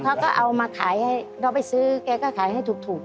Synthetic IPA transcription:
kʰa˦˥wkɔː˥˩ʔa˧wmaː˧kʰaː˩˦jha˥˩jɾɔː˧˩pa˧˩jsɯː˦˥kɛː˧kɔː˥˩kʰaː˨˩˦jɦa˥˩jt̪ʰuː˨˩k̚t̪ʰuː˨˩k̚

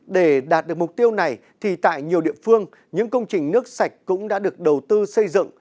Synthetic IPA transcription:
ɗe˧˩ɗaː˨˩t̚ɗɨ˨˩ək̚mʊ˨˩k͡p̚t̪i˧əwna˨˩j | t̪ʰi˨˩t̪a̰ː˧˨jɲi˨˩əwɗḭ˧˨əfɨ˧əŋ | ɲɨ̰˧˥ŋkə˧wŋ͡mt͡ɕï˨˩ŋ̟nɨ˦˥ək̚sa˨˩jk̟̚kʊ̰˧˥ŋ͡mɗa̰ː˧˥ɗɨ˨˩ək̚ɗə˨˩wt̪ɨ˧sə˧jzɨ̰˧˨ŋ

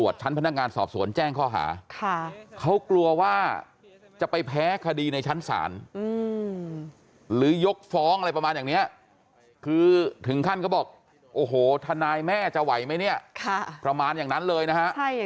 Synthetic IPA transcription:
u˨˩ət̪̚t͡ɕʰa˦˥npʰa˧na˦˥kŋaː˧nsɔ̰ː˨˩p̚su˩˦ənt͡ɕɛː˥˩ŋkʰɔː˥˩ɦa̰ː˩˦kʰa˥˩kʰa˦˥wklu˧ɐwaː˥˩ | t͡ɕa˨˩pa˧jpʰɛː˦˥kʰa˧diː˧na˧jt͡ɕʰa˦˥nsa̰ː˩˦nɯː˧ | ɾɯː˩˦jo˦˥k̚fɔː˦˥ŋʔa˧ɾa˧jpɾaː˧njaː˨˩ni˦˥ɐ | kʰɯː˧t̪ʰɯ˩˦ŋkʰa˥˩nka˦˥˩bɔː˨˩k̚ | ʔoː˧˩ɦoː˨˩˦t̪ʰa˧naː˧jmɛː˥˩t͡ɕa˨˩wa˩˦jma˦˥jni˥˩ɐkʰa˥˩pɾa˧maː˧njaː˨˩ŋna˦˥nlɤː˧jna˦˥kʰa˦˥ʔ

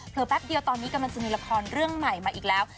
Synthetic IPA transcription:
pʰɤː˨˩pɛ˦˥p̚di˧əwt̪ɔː˧nːiː˦˥ka˧mla˧ŋsa˧miː˧˩la˧kʰɔː˧nɾɯ˥˩əŋma˨˩jmaː˧ʔiː˨˩k̚lɛː˦˥w

